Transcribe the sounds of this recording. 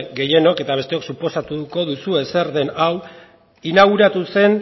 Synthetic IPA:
ɡe̞je̞no̞ke̞t̪aβ̞e̞st̪eo̞ksupo̞sat̪uko̞ðusue̞se̞ɾðe̞naw | inaɣ̞uɾat̪use̞n

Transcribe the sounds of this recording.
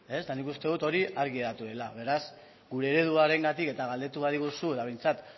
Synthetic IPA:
e̞sd̪anikust̪e̞ð̞ut̪o̞ɾiʔaɾɣieɾat̪uðe̞laβ̞e̞ɾas | ɡuɾe̞ːɾe̞ð̞uaɾe̞ŋɡat̪ike̞t̪aɣald̪et̪uβaðiɣ̞usuet̪aβ̞e̞jnt͡sat̪

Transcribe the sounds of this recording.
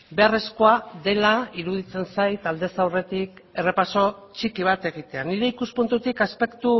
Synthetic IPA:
be̞are̞sko̞aðe̞laiɾuð̞it͡se̞nsajt̪ald̪e̞sawre̞t̪ike̞re̞paso̞t͡ʃikiβ̞at̪e̞ɣ̞it̪e̞aniɾe̞ikuspunt̪ut̪ikaspe̞kt̪u

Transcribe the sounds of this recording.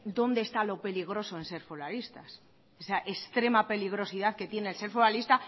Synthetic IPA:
d̪o̞nd̪est̪alo̞pe̞liɣ̞ɾo̞so̞ense̞ɾfolalist̪as | esaʔest̪ɾe̞mape̞liɣ̞ɾo̞siðaðke̞t̪je̞neːlse̞ɾfolalist̪a

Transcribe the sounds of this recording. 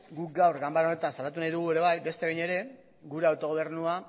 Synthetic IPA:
ɡuk̚ɡawɾɣambaɾaone̞t̪ansalat̪unajðuɣ̞ue̞ɾe̞βajbe̞st̪e̞ejɲe̞ɾe̞ | ɡuɾe̞awt̪o̞ɣ̞o̞β̞e̞ɾnua

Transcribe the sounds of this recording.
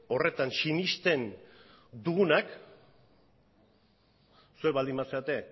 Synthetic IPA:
o̞re̞t̪ansinist̪e̞n | d̪uɣunak | sueβald̪imbaseat̪e̞

